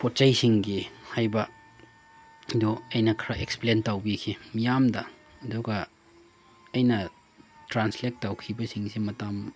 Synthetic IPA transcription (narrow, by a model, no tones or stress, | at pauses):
pot̚t͡ʃɐjsiŋɡihajbɐ | doɐjnɐkʰɾaʔeksplentawbikʰimijamdɐ | dɔɡɐ | ɐjnɐ | tɾanslek̚tːawkʰibɐsiŋsimɐtam